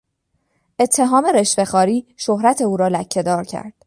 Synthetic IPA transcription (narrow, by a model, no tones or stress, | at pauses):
ʔe̞t̪ʰːe̞ɦɒːme̞ɾe̞ʃfe̞xɒːɾiːʃohɾæt̪ʰe̞uːɾɒːlæcʰːe̞d̪ɒːɾcʰæ̰ɾd̪̥̚